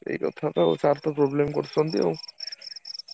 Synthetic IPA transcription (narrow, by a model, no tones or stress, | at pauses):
ḛjkɔ̰t̪ʰat̪ao̰t͡ɕaɾt̪opɾɔblemkoɾt͡ɕʰont̪io